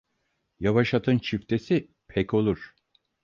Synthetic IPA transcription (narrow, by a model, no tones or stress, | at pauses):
javaʃat̪ʰɯnt͡ʃʰift̪ʰe̞si | pʰɛco̞lˠuɾ̥